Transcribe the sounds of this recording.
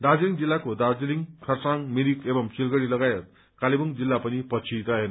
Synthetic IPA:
d̪ad͡ziliŋd͡zilːakod̪ad͡ʒiliŋkʰʌɾsaŋmiɾikebʌmsilɡʌɾilʌɡajʌt̪̚ | kalibuŋd͡ʒilːapʌnipʌt͡ʃʰit̪ʌɦen

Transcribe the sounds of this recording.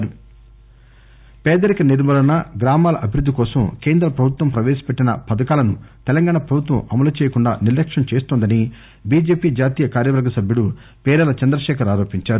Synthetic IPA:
ɾu | pɛːd̪ɐɾikɐniɾmɐlɐnɐɡɾaːmaːlɐʔɐbʱiɾud̪ʱːikɔːsɐmkeːnd̪ɾɐpɾɐbʱut̪wʋɐmpɾɐʋeːsɐ̥peʈːinɐ̰pɐd̪ɐkaːlɐnut̪ɛlɐŋɡaːɳɐpɾɐbʱut̪ʋɐmɐmɐlɐt͡ʃeːjɐkuɳɖa̰ːniɾlɐkʂɐmt͡ʃeːst̪oːnd̪ɐni | biːd͡ʒe̞ːpiːd͡ʒaːt̪iːjɐkaːɾjɐʋɐɾɡːɐsɐbʱjuɽu | pɛːɾɐlɐt͡ʃɛnd̪ɾɐʃɛːkʰɐɾaːɾoːpiɲt͡ʃaːɾu

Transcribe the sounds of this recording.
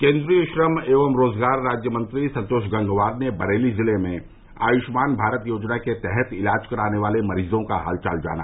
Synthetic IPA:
kẽːnd̪ɾijəʃɾəmeːʋəmɾoːzɡaːɾːaːd͡ʒjəmə̃nt̪ɾisɐ̃nt̪oːʃɡɐ̃ŋɡʋaːd̪nebɐɾeːlizɪlemẽ | a̰ːjʊʃmaːnbʱaːɾət̪joːd͡ʒnaket̪ɛɦɛt̪ɪlaːd͡ʒkɐɾaːneʋaːlemɐɾiːzõkaɦa̰ːlt͡ʃa̰ːld͡ʒa̰ːna̰

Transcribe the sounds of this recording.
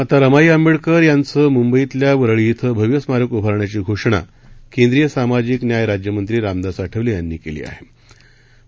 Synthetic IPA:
at̪aɾəmajamiɭkəɾjant͡səːmumbəit̪ljaʋəɾɭit̪ʰəbʱəʋjəsmaɾəkubʱaɾɳjat͡ɕiːɡʱoʂɳ̃a̰ | kend̪ɾijəsamad͡ʑiːknjajɾad͡ʑjəmənt̪ɾiːɾamd̪asaʈʰəʋlijanːiːkelḭːa̰ɦe

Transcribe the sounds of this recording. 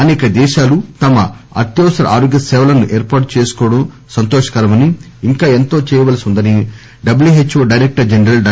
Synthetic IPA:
ɐnɛːkɐd̪ɛːʃaːlut̪ɐmɐ | ɐ̰ɾt̪jɐːʋsɐɾɐ̰ʔa̰ːɾoːɡjɐsɛːʋɐlɐnuʔeːɾpaːʈut͡ʃeːsu̥kɔːʋɐɽɐm | sɐnt̪oːʃɐ̥kɐɾɐmɐni | iŋkaːe̞nt̪o̞ːt͡ʃɛːjɐʋaːlɐsund̪ɐni | ɖɐbljuɦet͡ʃːoːɖɐjɾek̚ʈɐɾd͡ʒenɾɐl

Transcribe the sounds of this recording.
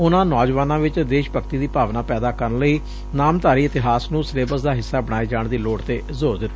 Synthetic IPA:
ʊnãːnɔːd͡ʒʋaːnãːʋɪt͡ʃd̪eːʃpəkt̪iːd̪iːpaːʋnaːpɛːd̪aːkəɾənləiː | naːmt̪aːɾiːɪt̪ɪɦaːsnũːsɾeːbəsd̪aːɦɪsːaːbəɽ̃aːiːd͡ʒaːɳd̪iːloːɽt̪eːzoːɾd̪ɪt̪ː

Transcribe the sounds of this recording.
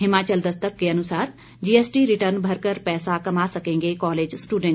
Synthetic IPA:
ɦɪmaːt͡ʃəld̪ɐst̪əkːeɐnʊsaːɾ | d͡ʒiːeːsʈiɾɪʈəɾnbʱɐɾkəɾpɛːsakɐmasɐkẽːŋɡekɔːleːd͡ʒsʈuːɖẽɳ

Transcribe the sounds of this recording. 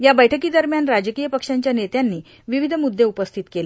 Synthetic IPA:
jabəjʈʰəkiːd̪əɾmjanɾad͡ʑəkijəpəkʂaɲt͡ɕjanet̪janːiː | ʋiʋid̪ʱəmud̪ʱːeupəst̪ʰit̪kele

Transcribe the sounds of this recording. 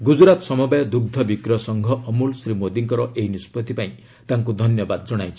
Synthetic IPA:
ɡud͡ʒɾat̪ɔsɔmɔbajɔd̪uɡ̚d̪ʱɔbikɾɔsɔŋɡʱɔʔɔmulsɾimod̪iŋkɔɾɔʔejnispɔt̪ipaĩ | t̪aŋkud̪ʱɔnjɔbad̪d͡ʒɔɽ̃ajt͡ʃʰi̥

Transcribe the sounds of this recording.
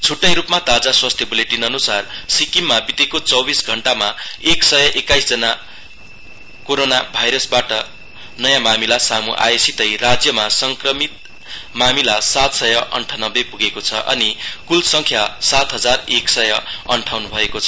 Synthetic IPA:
t͡sʰuʈːʌjɾupmat̪ad͡zaswast̪ʰjʌbʌleʈinʌnusarsikimːabit̪ekot͡sʌwbisɡʱʌɳʈamaeksʌjʌʔekajsd͡zʌna | koɾonabʱajɾʌsbaʈʌ | nʌjãmamilasamuʔa̰jesit̪ʌjrad͡zjʌmasʌŋkrʌmit̪̚ | mamilasat̪sʌjʌʔʌ̰ɳʈʰanʌbepuɡekot͡sʰʌʔʌ̰nikulsʌŋkʰjasat̪ɦʌd͡zareksʌjʌʌɳʈʰawnubʱʌekot͡sʰʌ

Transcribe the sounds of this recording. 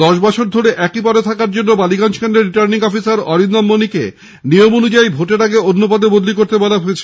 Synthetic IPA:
d̪ɔʃbɔt͡ɕʰoɾd̪ʱoɾeʔɛkipɔɾet̪ʰakaɾd͡ʑonːobaliɡanʃkaneɾiʈaɾniŋɔfisaɾɔɾind̪amːonikḛ | nijomonud͡ʑaibʱoʈeɾaɡeonːopad̪ebod̪likoɾt̪ebɔlaɦoet͡ɕʰe̥

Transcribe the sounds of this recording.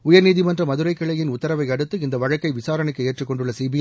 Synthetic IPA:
ʊjɐɾniːðɪmɐndrɐmɐðɯɾɐɪkːɐɭɐjɪnʊt̪ːɐɾɐʋɐɪɐɽɯt̪ːɯɪnd̪ɐʋɐɻɐkːɐɪʋɪsaːɾɐnɯkːɯeːʈrɯkːɔɳɖɯɭːɐsiːbɪj

